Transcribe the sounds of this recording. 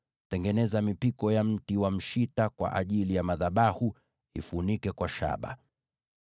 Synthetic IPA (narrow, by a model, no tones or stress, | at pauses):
tɛŋɡɛnɛzamipikɔjam̩tiwam̩ʃitakwa̰ʔa̰ʄilijamaðaɓahu | ḭfunikɛkwaʃa̰ɓa̰